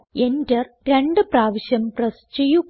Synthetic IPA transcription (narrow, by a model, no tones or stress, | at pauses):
endɐr | ɾeɳɖɨpraːʋiɕjɐmprɐst͡ɕeju